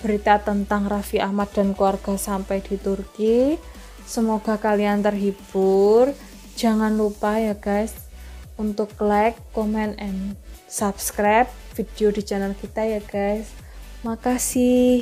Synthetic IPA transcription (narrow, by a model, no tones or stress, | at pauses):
b̥əɾit̪at̪ənt̪aŋrafiʔahmat̪̚d̥a̤nkluwarɡ̥a̤sampajd̥i̤t̪urki | səmoɡ̥a̤kaliant̪ərɦib̥ʊr | d͡ʒ̥a̤ŋanlupajaɡ̥ajs | unt̪ʊkːlajkːomɛnɛnsapskɾap̚fid̥eod̥i̤d͡ʒanəlkit̪ajaɡ̥ajs | makasi